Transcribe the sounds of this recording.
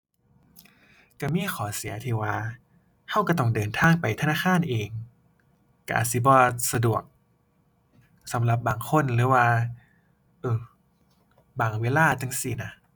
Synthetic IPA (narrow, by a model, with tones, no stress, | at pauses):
ka˧˩miː˧˥˨xʰɔː˨˩˦si˩˦ɐt̪ʰiː˧˩waː˧ | hʰa˧˩wka˧˩t̪ɔ˧˩ŋdɤː˨˩nt̪ʰaː˧˥˩ŋpa˨jt̪ʰa˧naː˧˥˩aː˧˥˨nʔeː˨ŋ | ka˧˩ʔa̰ː˨˩si˧˦bɔː˧sa˧du˨˩ək̚ | sa˨˦mla˧˦p̚baː˨˩ŋkʰo˧˥˨nlɯː˨˦waː˧ | ʔɤː˧˩ | baː˨˩ŋweː˧˥˨laː˧˥˩t̪ʰa˧ŋsi˧˩na˧˥